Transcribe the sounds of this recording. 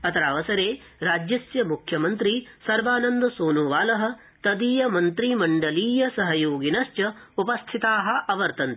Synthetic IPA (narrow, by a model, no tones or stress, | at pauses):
ɐt̪ɐɾaːʋɐsɐɾeː | ɾaːd͡ʒjɐsjɐmukʰjɐmɐnt̪ɾisɐɾʋaːnɐnd̪ɐsoːnuʋaːlɐɦɐ̆ | t̪ɐd̪iːjɐmɐnt̪ɾimɐɳɖɐliːjɐsɐɦɐjoːɡinɐst͡ʃɐupɐst̪ʰit̪aːɦɐ̆ʔɐʋɐɾt̪ɐnt̪i̥